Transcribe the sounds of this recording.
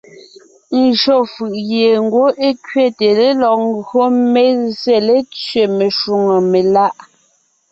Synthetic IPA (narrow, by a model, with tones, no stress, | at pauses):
n̩˨ʒo˦˨fɯ˨ʔɣje˨ŋ̩˦ɡwo˦ʔe˦kɥe˦˨te˨le˦lɔ˨k̚ŋ̩˦ɡo˦me˦ze˦˨le˦t͡sɥe˨me˨ʃu˨ŋo˨me˨la˦ʔ